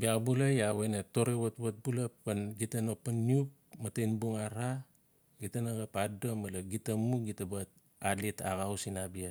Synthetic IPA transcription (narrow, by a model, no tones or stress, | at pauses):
biabulajaweneto̞ɾewatwat̚bulapanɡitanopanːiup̚ | matejnbuŋaɾa | ɡitanaɡapadomalaɡitamuɡitabat̚ | alitaɡawsinabia